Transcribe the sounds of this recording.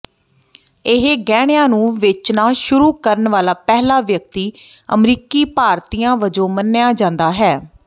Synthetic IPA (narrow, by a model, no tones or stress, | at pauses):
ɪɦeɡɛːɽ̃jãːnũːʋɪt͡ʃnãːʃʊɾuːkəɾəɳʋaːlaːpɛːɦlaːʋjək̚t̪iːə̰mɾiːkiːpaːɾt̪iːãːʋəd͡ʒõːmənːɪjaːd͡ʒãːnd̪aːɦɛː